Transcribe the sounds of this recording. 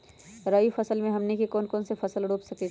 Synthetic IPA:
ɾaːjifɐsəlmẽɦɐmnekikɔːnkɔːnsefɐsəlɖoːpsɐke

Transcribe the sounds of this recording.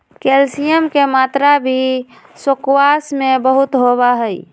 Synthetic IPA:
kelsijəmkemat̪ɾabʱi | sokwasmebəɦut̪ɦoβaɦəj

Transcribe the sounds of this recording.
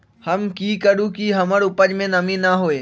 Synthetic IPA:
hɐmkiːkəɾũkiɦɐməɾʊpəd͡ʒmẽnɐmĩnaɦoːeː

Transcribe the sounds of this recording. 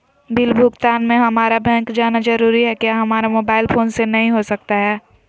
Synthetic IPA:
bʱɪlbʱʊɡt̪aːnmẽɦɐmaːɾabɛ̃ːŋkd͡ʒaːnad͡ʒɐɾuːɾiɦɛkjaɦɐmaːɾamoːbaːɪlpʰoːnsenɐɦĩɦosɐk̚t̪aɦɛː

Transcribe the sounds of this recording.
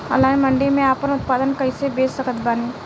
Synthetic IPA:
ɐ̰laːmɐ̃ɳɖemẽaːpənʊt̪̚paːd̪ənkɐisebeːsəkət̪baːneː

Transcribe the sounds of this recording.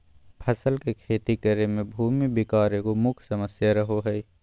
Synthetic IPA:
pʰəsəlkekʰeːt̪ikəɾemẽbʱuːmibɪkaːɾẽkomʊkʰsɐməsjaɾɐɦoɦɛː

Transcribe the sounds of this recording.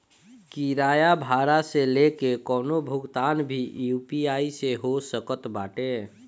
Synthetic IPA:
kiɾaːjabʱaːɾaselekekɔːnobʱʊɡt̪aːnbʱijupiaːiseɦosəkət̪baːʈeː

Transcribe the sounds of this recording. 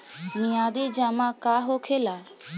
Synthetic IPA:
mijaːd̪eːd͡ʒaːmaːkaːɦoːkʰeːlaː

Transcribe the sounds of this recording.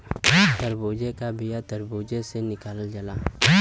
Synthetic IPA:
t̪əɾboːd͡ʒekabijat̪əɾboːd͡ʒesenɪkaːləd͡ʒɐlaː

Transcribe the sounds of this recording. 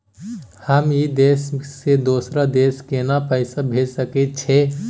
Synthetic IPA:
həmjid̪eːssed̪oːsɾad̪eːskenapəɪsabʱeːd͡ʒsəket͡ʃʰɛ

